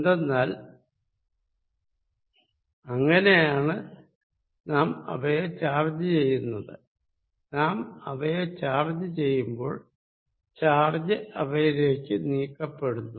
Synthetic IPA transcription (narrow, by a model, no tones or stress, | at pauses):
end̪enːaːl | ɐŋːɐnejaːɳɨ | naːmɐ̰ʋɐjet͡ɕaːrd͡ʑɐt͡ɕe̞jːunːɐðɨ̰ | naːmɐ̰ʋɐjet͡ɕaːrd͡ʑɐt͡ɕe̞jːumbo̞ːɭ | t͡ɕaːrd͡ʑɐɐʋɐjiɾe̞ːkʲːɨniːkːɐpːe̞ɽunːu